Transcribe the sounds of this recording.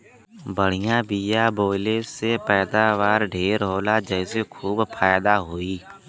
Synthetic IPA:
bəɽ̤ɪjãːbiːjaːboːɪleːsepɛːd̪aːʋaːɾɖʱeːɾɦoːlaːd͡ʒɛːɪsekʰuːbpʰaːjd̪aːɦoːiː

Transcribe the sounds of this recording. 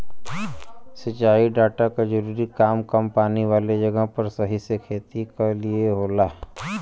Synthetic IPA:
sət͡ʃaːiɖaːʈakad͡ʒəɾuːɾikaːmkɐmpaːniʋaːled͡ʒɐɡəɦpɐɾsɐɦisekʰeːt̪ikelieɦoːlaɦɛ

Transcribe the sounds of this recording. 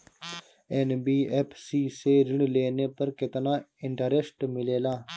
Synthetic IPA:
enbiːeːpʰsiːseːɾɪɳleːneːpəɾkɪt̪naːɪɳʈəɾesʈmɪleːlaː

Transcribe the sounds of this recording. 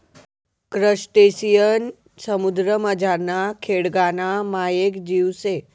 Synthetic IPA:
kɾəɕʈesijən | səmud̪ɾəməd͡ʑaɾnakʰeɽɡanamajekd͡ʑiwse

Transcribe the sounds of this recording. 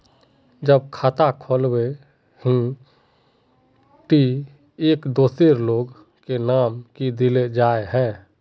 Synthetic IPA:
d͡ʒəb̚kʰaːt̪akʰoːlbe | hĩ | ʈi | eːkd̪oːseɾloːɡ | kenaːmkid̪iled͡ʒaːeɦɛ̃ː

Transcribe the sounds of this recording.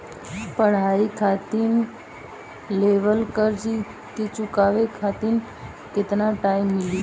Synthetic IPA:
pəɽ̤aːikʰaːt̪in | leʋəlkəɾd͡ʒi | ket͡ʃʊkaːʋekʰaːt̪in | kɪt̪naʈaːimːɪli

